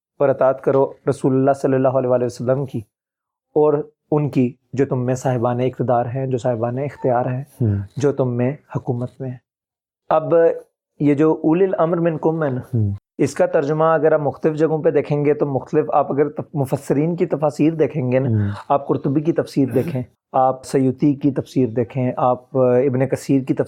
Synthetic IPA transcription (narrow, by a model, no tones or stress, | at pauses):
bɐɾɐt̪aːt̪kɐɾoɾɐsuːlʊlːaːsɐlːəlːaːɦoɐleːʋaːleːʋəsəlːəmki | ɔːɾ | ʊnki | d͡ʒoːt̪ʊmːẽsaːɦɪbaːneɪkt̪ɪd̪aːɾɦɛ̃d͡ʒoːsaːɦɪbaːneɪxt̪ijaːɾɦɛ̃d͡ʒoːt̪ʊmːẽhʊkuːmət̪mẽɛ | ɐb | jed͡ʒoːʔuːlɪlɐmɾmɪ̃nkʊmɦɛna | ɪskat̪ɐɾd͡ʒʊmaɐɡəɾaːpmʊxt̪əlɪfd͡ʒɐɡõped̪eːkʰẽːŋɡet̪omʊxt̪əlɪfaːpɐɡəɾmʊfəsːɪɾiːnkit̪ɐfaːsiːɾd̪eːkʰẽːŋɡenaaːp̚kʊɾt̪ʊbik̬it̪ɐfsiːɾd̪eːkʰẽ | aːpsɐjuːt̪ikit̪ɐfsiːɾd̪eːkʰẽʔaːp̚ɪbnekɐsiːɾkit̪ɐ